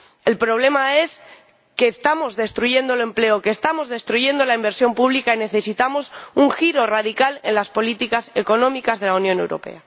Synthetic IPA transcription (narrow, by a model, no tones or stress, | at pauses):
e̞lpɾo̞β̞le̞mae̞s | ke̞ːst̪amo̞zðe̞st̪ɾuʝe̞nd̪ole̞mple̞oke̞ːst̪amo̞zðe̞st̪ɾuʝe̞nd̪o̞laimbe̞ɾsjo̞mpuβlikaine̞θe̞sit̪amo̞suŋxiɾo̞rað̞ikale̞nlaspo̞lit̪ikase̞ko̞nõ̞mikazðe̞launjone̞wɾo̞̰pe̞̰a